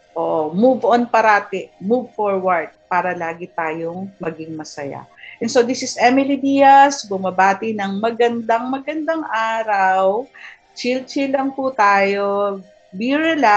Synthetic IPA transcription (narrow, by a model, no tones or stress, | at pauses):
ʔoːʔomuvʔonpɐɾaːt̪ɛmuvfoɹwɐɹd̪̚paːɾɐlaːɡɪt̪aːjoŋmɐɡɪŋmɐsɐja̰ | ʔɛnsod̪isɪsɛmɪlid̪ijɐsbʊmɐbaːt̪ɪnɐŋmɐɡɐnd̪ɐŋmɐɡɐnd̪ɐŋʔaːɾɐw | t͡ʃilt͡ʃɪlɐŋput̪aːjo | biɹɛla